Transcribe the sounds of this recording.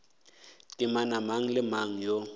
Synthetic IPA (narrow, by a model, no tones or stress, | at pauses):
tʼɪmanamaŋ̩lɪmaŋ̩jo